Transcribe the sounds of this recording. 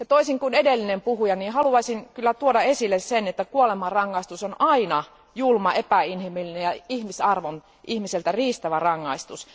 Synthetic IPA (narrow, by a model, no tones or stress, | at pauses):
ɑt̪oisiŋkunedelːinempuhujɑniːhɑluɑisinkylːæt̪uodɑesilːessenet̪ːækuolemɑrɑŋːɑist̪usonɑinɑ | julmɑepæinhimilːinejɑihmisɑrʋon | ʔihmiselt̪æriːst̪æʋærɑŋːɑist̪us